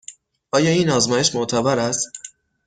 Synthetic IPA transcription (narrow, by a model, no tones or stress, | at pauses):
ʔɒːjɒːiːnɒːzmɒːjeʃmoʔt̪ʰæbæɾæst̪